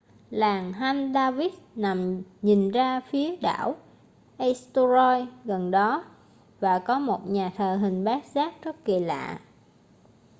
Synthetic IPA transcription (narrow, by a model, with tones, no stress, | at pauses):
laː˨˩ŋɦa˧nɗaː˧vi˦˥t̚na˨˩mɲi˨˩ŋzaː˧fi˨˦əɗa̰ː˧˩˨w | ʔə˧st̪u˧zɔ˧jɣə˨˩nɗɔ˨˦ | vaː˨˩kɔ˨˦mo˨˩t̚ɲaː˨˩t̪ʰəː˨˩ɦï˨˩ŋ̟ɓaː˦˥k̚zaː˦˥k̚t͡ɕə˦˥t̚ki˨˩la̰ː˧˨